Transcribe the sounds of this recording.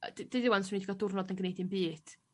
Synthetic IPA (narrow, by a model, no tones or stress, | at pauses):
did̥iðɪwansmniːdɡɔdʊrnɔdənɡnejdinbiːd̥